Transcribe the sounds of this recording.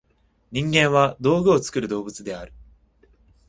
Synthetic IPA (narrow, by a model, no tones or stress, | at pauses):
ɲ̟ĩŋɡẽ̞ɰ̃βad̪o̞ːɡɯ̟o̞t͡sɨ̥kɯ̟ɾɯ̟d̪o̞ːbɯ̟t͡sɨd̪e̞aɾɯ̟